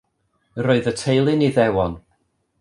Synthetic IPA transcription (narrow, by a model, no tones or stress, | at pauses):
roːɨðətʰejlˠɨniðɛwɔn